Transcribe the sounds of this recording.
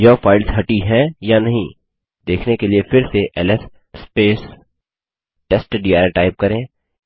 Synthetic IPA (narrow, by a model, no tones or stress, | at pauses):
jɐfaːɪlzɦɐʈiɦɛ̃janɐɦĩ | d̪eːkʰnekeliefɪɾseʔɛːlɛs | speːs | ʈɛsʈɖiːaːɾʈaːɪp̚kɐɾẽː